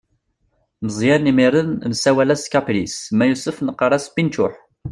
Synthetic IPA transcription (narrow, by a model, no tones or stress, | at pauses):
məzˤjænimiɾənnsæwælæskæplismæjusəfnəqːɑɾˤæsbint͡ʃʊħ